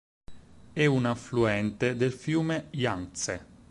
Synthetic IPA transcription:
ɛunafluɛnt̪ed̪elfjuːmejanse

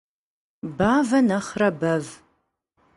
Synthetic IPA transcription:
baːvɐnɐχrɐbɐv

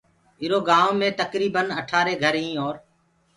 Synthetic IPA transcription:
ɪɾoːɡaːõːmẽːt̪əkɾiːbənəʈʰaːɾeːɡʱəɾɦĩːɔːɾ

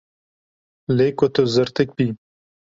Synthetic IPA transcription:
lekot̪ozəɾt̪ɨk̚bi

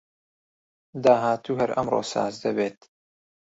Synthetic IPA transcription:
d̪aːɦaːt̪uːhɐɾɐmro̰ːsa̰ːzd̪ɐbeːt̪

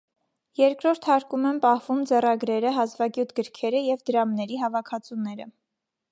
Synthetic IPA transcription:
jɛɾkɾɔɾt̪ʰhɑɾkumɛnpɑhvumd͡zɛrɑɡɾɛɾəɦɑzvɑɡjut̪ʰɡəɾkʰɛɾəjɛvd̪əɾɑmnɛɾiɦɑvɑkʰɑt͡sʰunɛɾə̰

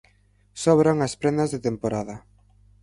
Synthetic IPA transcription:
sɔβɾaŋɐspɾend̪ɐzðet̪empoɾaðɐ

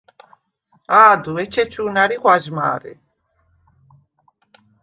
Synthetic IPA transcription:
aːd̪uɛt͡ʃʰɛt͡ʃʰunaɾiʁwaʒma̰ːɾɛ̰

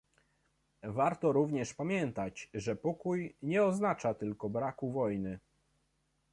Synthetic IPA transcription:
vaɾt̪ɔɾuvɲɛʂpamʲjɛnt̪at͡ɕʐɛpɔkujɲɛɔznat͡ʂat̪ɘlkɔbɾakuvɔjnɘ

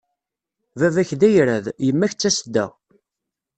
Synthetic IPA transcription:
vævæçðæjɾæðjəmːæçt͡sːæsəd̪ːæ̰

